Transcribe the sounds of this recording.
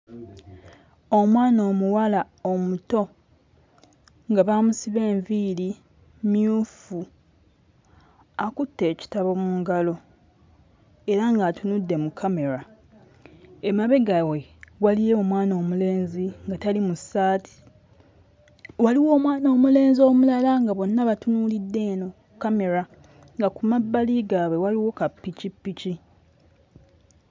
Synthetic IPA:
o̞mwaːno̞ːmuwala | omuto̞ | ŋɡaβaːmusiβe̞ːɱviɾi | miuːfu | akutːe̞ːci̥taβo̞muːŋɡalo̞ | e̞ɾaŋɡatunudːe̞mukʰːame̞ɾa | emaβe̞ɡawe̞walijeomwaːno̞ːmule̞ːnziŋɡatalimusaːtʰi̥ | waliwo̞ːmwaːnoːmule̞ːnzo̞ːmulalaŋɡaβo̞nːaβatunulidːe̞ːno̞ | kame̞ɾa | ŋɡakumabːaliɡaːβwe̞waliwo̞kapːicipːici

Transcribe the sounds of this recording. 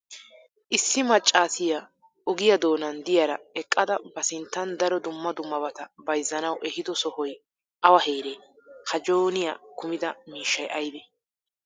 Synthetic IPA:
ʔɪsːɪmɐt͡ʃʼːaːsɪjɐ | ʊɡɪjɐd̪o̞ːnɐnd̪ɪjɐɾɐɛkʼːɐd̪ɐbɐsɪnt̪ːɐnd̪ɐɾɔd̪ʊmːɐd̪ʊmːɐbɐt̪ɐbɐjzːɐnɐwʔɛhɪd̪ɔsɔhɔj | ʔɐwɐheːɾeː | kɐd͡ʒoːnɪja̰kʊmɪd̪ɐmiːʃːɐjʔɐjbeː

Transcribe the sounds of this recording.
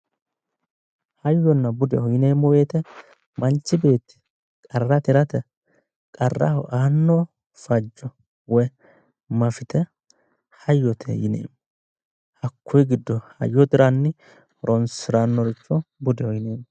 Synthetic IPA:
hɐjːɔnːɐbʊd̪ɛhɔjɪneːmːɔweːt̪ɛ | mɐnt͡ʃːɪbe̞ːt̪ːɪ̥ | kʼɐrːɐt̪ɪɾɐt̪ɛ | kʼɐrːɐ̰ʔaːnːɔ | fɐd͡ʒːɔ | wɔj | mɐfɪt̪ɛ | hɐjːɔt̪ʰɛ̰jɪ̰nḛːm | hɐkːɔjɡɪd̪ːɔhɐ̰jːɔt̪ɪɾanːɪ | ɾɔnsɪɾanːɔɾɪt͡ʃːɔbʊd̪ɛhɔjɪneːmːɔ

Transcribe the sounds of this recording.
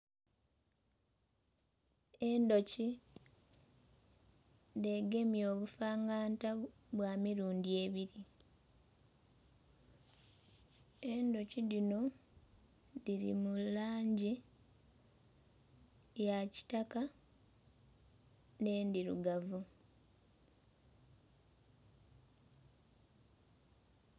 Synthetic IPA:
e̞ndo̞ci | ðe̞ɡe̞mjo̞ːβufaːŋɡaːntaβwaːmiɾuːndie̞ːβiɾi | e̞ndo̞ciðino̞ | diɾḭmulaːɲɟi | jaci̥taka | ne̞ːndiɾṵɡavu

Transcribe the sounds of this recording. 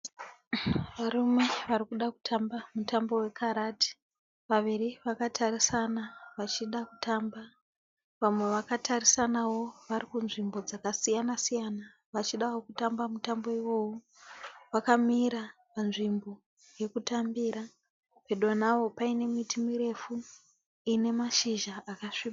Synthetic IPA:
ʋaɾume̞ʋarikuɗaku̥tʰambamutambo̞we̞kʰaɾati̥ | ʋaʋiriʋakatʰarisanaʋat͡ʃiɗakutʰamba | ʋamwe̞ʋakatʰarisanawo̞ʋarikunʐimbo̞d͡zakasijanasijana | ʋat͡ʃiɗawokutambamutambo̞iʋo̞ːwo | ʋakamiɾa | panʐimbo̞ | je̞kutambiɾa | pe̞ɗo̞nawo̞paine̞mitimiɾe̞fu | ine̞maʃiʒaakaʂiːa

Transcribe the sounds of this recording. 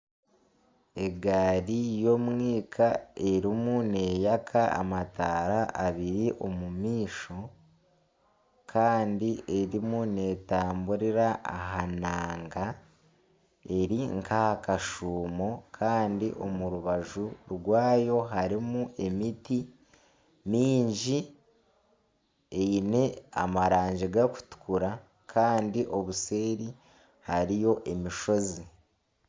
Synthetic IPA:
e̞ɡaɾijo̞mŋiːkʰae̞ɾimune̞ːjakʰaa̰mataːɾaʔaβiɾiʔo̞mumiːʃo̞ | kʰaːndie̞ɾimune̞ːtaːmbuɾiɾaʔa̰ɦanaːŋɡa | e̞ɾiŋkahakaʃuːmo̞kʰaːndiʔo̞muɾuβaʒuɾɡwaːjo̞ɦaɾimue̞miti | miːɲɟi | ejine̞a̰maɾaːɲɟiɡaku̥tu̥kʰuɾa | kʰaːndiʔo̞βuse̞ːɾi | haɾijo̞ʔe̞miʃo̞zi

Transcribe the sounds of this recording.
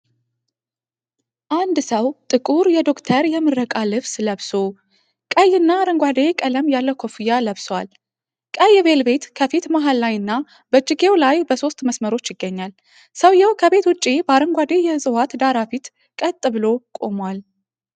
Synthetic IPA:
ʔand̪səwt̪ʼɨkʼuɾjɛd̪o̞kt̪ʰəɾjɛmɨrːəkʼalɨβsləβso | kʼəjːɨnːaɾəŋɡʷad̪ekʼələmjalːəwkʰo̞fijːaləβswal | kʼəjɛbe̞lbe̞t̪kʰəfit̪maɦalːajɨnːa | bət͡ʃʼːɪɡe̞wlajbəso̞st̪ʼməsməɾo̞t͡ʃːjɪɡːəɲːal | səwjɛwkʰəbe̞t̪wʊt͡ʃʼːibəaɾəŋɡʷad̪ejɛzʼɨwat̪d̪aɾafit̪ | kʼət̪ʼːɨβɨlo̞kʼo̞̰mwal

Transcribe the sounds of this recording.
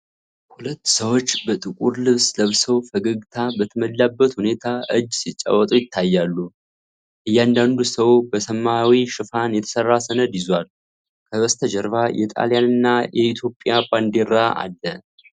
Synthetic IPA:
hulət̪ːsəwo̞t͡ʃːbət̪ʼɨkʼuɾlɨβsləβsəwfəɡəɡt̪ʰabət̪ʰəməlːabːət̪hune̞t̪ʰaʔɨd͡ʒːsit͡ʃʼːa̰wːət̪ʼujɪt̪ʰːajːalːu | ʔɨjːand̪and̪usəwbəsəmːawiʃɨfanjɛt̪ʰə̥sərːasənəd̪jɪzwal | kʰəwəst̪ʰəd͡ʒəɾβajɛt̪ʼa̰ljanɨnːajɛɪt̪ʰjo̞pʼjaband̪eɾaʔa̰lːə

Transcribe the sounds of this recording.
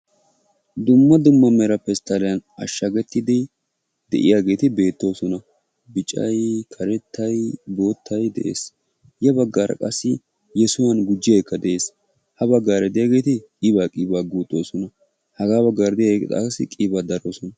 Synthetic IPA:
d̪ʊmːɐd̪ʊmːɐmɛɾɐpːɛst̪ːɐlɛjɐnɐʃːɐɡɛt̪ːɪd̪ɛ | d̪̥ɛ̰ʔɪ̰jaːɡe̞ːt̪ɪbe̞ːt̪ːo̞ːsɔnɐ | bɪt͡ʃʼːɐ̰jkʰɐɾɛt̪ʰːɐjbo̞ːt̪ʰːɐjd̪ɛ̰ʔḛːs | jɛbɐɡːaːɾɐ̰kʼɐsːɪ | jɛsʊwɐnɡʊd͡ʒːɪjajkːɐd̪ɛʔeːs | hɐbɐɡːaːɾɛd̪ɛjaːɡe̞ːt̪ɪkʼibaːkʼɪːbaːɡuːt̪ʼːo̞ːsɔnɐ | hɐɡaːbɐɡaɾd̪ɪjɐkːt̪ʼa̰ːsɪkʼibaːd̪ɐɾo̞ːsɔnɐ

